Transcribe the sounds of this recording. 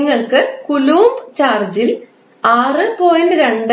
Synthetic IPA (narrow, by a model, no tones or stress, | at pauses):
ŋːɐɭkɨkuluːmbt͡ɕaːrd͡ʑil | aːrɨpoːjunɾeɳɖ